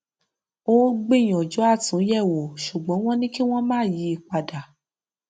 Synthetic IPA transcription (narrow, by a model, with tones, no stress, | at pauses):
o˦ɡ͡be˦˨j̃ɔ̃˨d͡ʒɔ˨˦a˦˨tũ˨˦jɛ˦˨wo˨ʃu˨ɡ͡bɔ̃˨˦w̃ɔ̃˦nĩ˦ki˦w̃ɔ̃˦mãː˦˨ji˨˦i˦˨k͡pa˨da˨